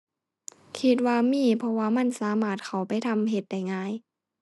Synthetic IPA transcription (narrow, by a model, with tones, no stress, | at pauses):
kʰi˧˥t̪̬̚waː˧miː˧˥˨pʰɔ˧waː˧ma˧˥˨nsaː˨˦maː˧˩t̪̚kʰa˨˩wpa˧˨˩jt̪ʰa˧˨mɦe˧˦t̪̚da˧˩jŋaː˧˥˨j